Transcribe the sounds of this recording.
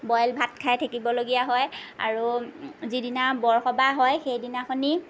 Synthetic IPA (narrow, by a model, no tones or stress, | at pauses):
bɔjlbʱat̚kʰajtʰakibɔloɡijaɦɔja̰ɹuzidinabɔɹxɔbaɦɔjxejdinaxɔni